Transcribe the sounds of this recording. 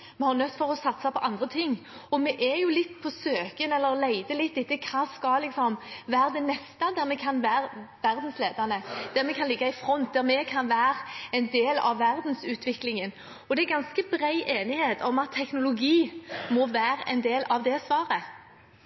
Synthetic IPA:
mɛhɑɾnœt̪ːfɔʁɔsɑt̪sɑpʰɔʔɑnd̪ʁət̪ʰɪŋː | ɔmɛʔɛjʊlɪt̪ːpʰɔsøːkənɛlːəɾlæɪd̪əlɪt̪ːɪt̪ːəkʰɑːskɑlɪksɔmʋæːʁd̪ɛnɛst̪ɑd̪æɾmɛkʰɑnʋæːɾʋæɾd̪n̩sleːd̪ənəd̪̥æɾmɛkʰɑnlɪɡːɑɪfɾɔnt̪̚d̪æʁmɛkʰɑnʋæːʁɛnd̪eːlɑ̰ʋːæʁd̪n̩sʉːt̪ʰʋɪklɪŋən | ɔd̪ɛæɡɑnskəbɾæɪʔeːnɪheːt̪ɔmɑt̪ʰːɛknʊlʊɡiːmɔʋæːɾɛ̰ɪnd̪eːlɑʋd̪ɛsʋɑːʁə

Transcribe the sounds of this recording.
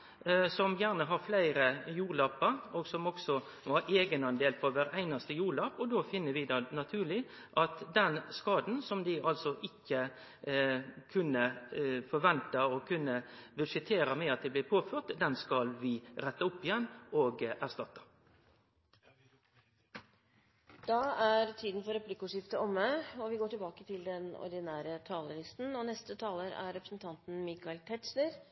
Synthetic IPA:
sɔmjæːʁnəɦɑɾflæɪɾəjuːɾlɑːpəɾɔɡsɔmɔksɔ | ʋɑɾeːɡənɑnd̪eːlpʰɔʋæːɾæɪnɑst̪əjuːɭɑːpɔd̪oːfɪnːəʋɪd̪ɑnɑt̪ʰʉːlɪ | ʔɑt̪d̪ɛnskɑːd̪n̩sɔmd̪ɪʔɑlsɔʔɪkːə | kʰʉnːəfɔɾʋɛnt̪əɔkʰʉnːəbʉʂɪt̪ʰeːɾəmɛɑt̪̚d̪ɪblɪːpʰoːføːʁt̪d̪ɛnskɑlʋɪɾɛt̪ːəʊpːɪjɛnːoːɡæʁʂt̪ɑt̪ːə̥ | d̪̥ɑːæɾt̪ʰiːd̪nfɔɾɛplɪkʊːʂɪft̪əɔmːəɔʋɪɡoːʈɪlbɑːkət̪ʰɪld̪ɛnɔ̰ɾd̪ɪnæːɾət̪ʰɑːləlɪst̪n̩ɔnɛst̪ət̪ʰɑːləɾæ̰ɾɛpɾəsn̩t̪ʰɑnt̪n̩miːkɑɪlt̪ʰɛtsləɾ

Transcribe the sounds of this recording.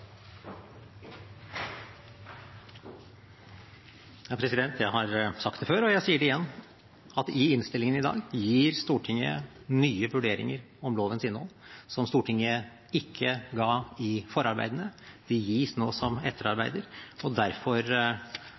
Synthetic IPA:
jɑːpʰɾɛsɪd̪ɛnt̪ʰjæɪhɑɾsɑkt̪d̪ɛføːɾɔjæɪsiːəɖɛɪjɛnː | ɑt̪ɪɪnst̪ɪlɪŋənɪd̪ɑ̰ːɡjiːɾst̪uːʈʰɪŋːə̰ | nyːəʋʉɖeːɾɪ̰ŋəɾ | ɔmloːʋənsɪnʋɔ̰lsɔmst̪uːʈʰɪŋə | ɪkʰːəɡɑːɪfɔɾɑɾbæ̰ɪd̪ənəd̪̥ɪjiːsnoːsɔmɛt̪ʰːəɾɑɾbæɪd̪əɾɔd̪æɾfɔɾ

